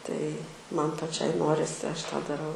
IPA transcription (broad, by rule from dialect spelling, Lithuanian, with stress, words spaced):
tɐɪ ˈmɐn pɐˈt͡ʃʲɛɪ ˈnoːrʲɪsʲɪ ˈɐʃ tɑː dɐˈrɐʊ